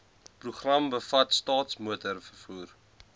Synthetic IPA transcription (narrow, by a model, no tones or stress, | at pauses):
pruχrɐmbəfɐtstɑːtsmuətərfərfuːr